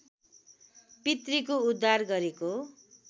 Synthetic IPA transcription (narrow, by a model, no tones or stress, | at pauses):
pit̪rikoud̪ʱːarɡʌɾeko